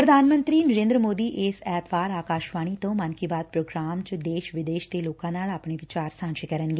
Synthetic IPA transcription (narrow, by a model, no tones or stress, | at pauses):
pɾəd̪ʱaːnmə̃nt̪ɾiːnəɾẽːnd̪ɾəmoːd̪iːʔɪsɛːt̪ʋaːɾaːkaːʃʋaːɽ̃iːt̪õːmənkibaːt̪̚pɾoːɡɾaːmt͡ʃd̪eːʃʋɪd̪eːʃt̪eːloːkãːnaːlaːpɳ̃eːʋɪt͡ʃaːɾsãːnʃikəɾənɡeː